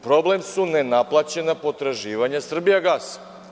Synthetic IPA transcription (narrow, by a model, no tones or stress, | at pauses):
pɾo̞ble̞msunenaplˠat͡ɕe̞napo̞t̪ɾaʒiːʋaɲasr̩bijaɡas